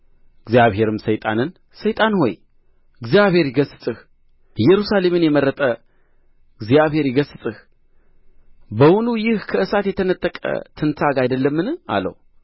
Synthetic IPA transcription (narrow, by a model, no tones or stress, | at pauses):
ɨɡzjaβhe̞ɾɨmsəjt̪ʼa̰nɨn | səjt̪ʼanho̞̰j | ɨɡzijaβhe̞ɾjɪɡəsɨt̪ʼɨh | jɛɾusale̞mɨnjɛməɾːət̪ʼə | ɨɡzijaβhe̞ɾɪɡəsɨt̪ʼɨh | bəwʊnujɪhkʰəʔɨsat̪jɛt̪ʰənət̪ʼːəkʼə̰t̪ʰɨnt̪ʰaɡajd̪əlːəmːɨna̰lːə̰w